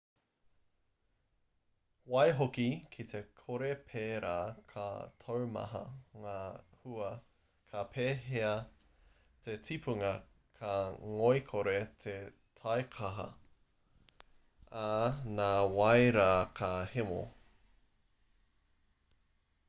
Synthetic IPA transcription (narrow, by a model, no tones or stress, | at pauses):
wɐjɦokikʰit̪ʰe̞kʰoɾepʰeːɾaːkʰɐ̰tʰowmɐ̰ɦɐ̰ŋaːhuɐ | kʰɐpʰeːɦeɐ | tetʰipʰuŋɐ | kʰɐŋojkʰoɾet̪ʰe | tʰɐjkʰɐɦɐ̰ | anaːwɐjɾaːkʰɐhemo̰